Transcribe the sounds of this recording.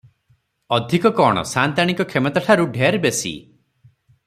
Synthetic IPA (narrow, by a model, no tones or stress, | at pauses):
ɔd̪ʱikɔkɔɽ̃ɔ̰sant̪aɽ̃ikɔkʰemɔt̪aʈʰaɾuɖʱeaɾbesḭ